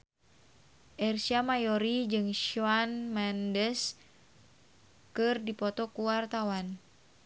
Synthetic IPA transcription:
ʔɛrsiamajɔɾid͡ʒɨŋʃuanmandɛs | kɨrdipɔt̪ɔkuwart̪awan

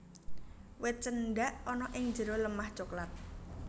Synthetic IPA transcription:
wɪt̪̚t͡ʃənɖaʔɔnɔʔɪŋ̥d͡ʒə̤ɾoləmaht͡ʃoklat̪̚

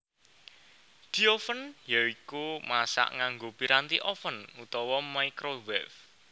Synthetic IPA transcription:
d̪̥i̤ofənjaikumasa̰ʔŋaŋɡopiɾant̪iʔɔfənut̪ɔwɔmaikɾowɛf

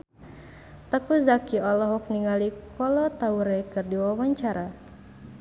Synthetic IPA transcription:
t̪əkuzakiɔlɔɦɔk̚niŋalikɔlɔt̪auɾɛkɨrdiwawaɲt͡ʃaɾa

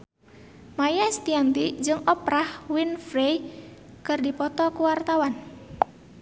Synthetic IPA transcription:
majast̪iant̪id͡ʒɨŋɔpɾahwinfɾej | kɨrdipɔt̪ɔkuwart̪awan

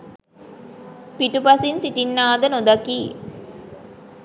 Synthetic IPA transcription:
piʈupasinsiʈinːaːd̪ənod̪akiː

